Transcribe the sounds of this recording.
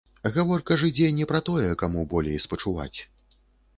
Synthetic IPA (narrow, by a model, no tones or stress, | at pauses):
ɣavɔrkɐʐɨd͡zʲɛnʲɛpɾɐt̪ɔjɛkamubɔlʲejspɐt͡ʂuva̰t͡sʲ